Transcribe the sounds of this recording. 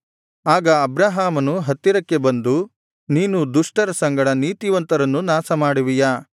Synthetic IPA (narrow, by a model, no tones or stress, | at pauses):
aːɡɐːbɾaːɦaːmɐnuɦɐt̪ːiɾɐkːe̞bɐnd̪u | niːnud̪uʂʈɐɾɐsɐŋɡɐɽɐniːt̪iʋɐnt̪ɐɾɐnːunaːsɐmaːɽiʋijaː